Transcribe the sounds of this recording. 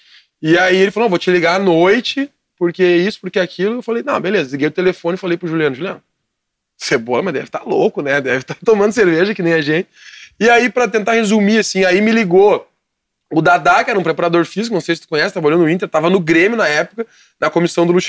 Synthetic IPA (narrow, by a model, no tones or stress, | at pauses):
ɪaielɪfalonɐ̃vot͡ʃɪliɡaːnojt͡ʃɪ | poɾkeisʊ̥poɾkeakʰilʊewfalejnɐ̃w̃bẽlezɐliɡejd̪ʊt̪elefõnɪfalejpɾʊʒuliɐ̃nʊʒuliɐ̰̃nʊ | sebolɐmɐzd̪ɛ̰vɪt̪alokʊnɛd̪ɛvɪt̪at̪omɐ̃nd̪ʊseɾveʒɐkɪnẽj̃ɛʒẽnt͡ʃɪ̥ɪaipɾɐt̪ẽnt̪ahezumiasĩaimɪliɡo | ʊd̪ad̪akɪɛɾɐũpɾepaɾad̪oɾfizikʊnɐ̃w̃sejsɪt̪ʊ̥kõɲ̃ɛsɪt̪avbalɐ̃d̪ʊĩt̪̬eɾt̪avɐnʊɡɾẽmjʊnɐɛpʊkɐ | nɐkomisɐ̃w̃d̪ʊluʃ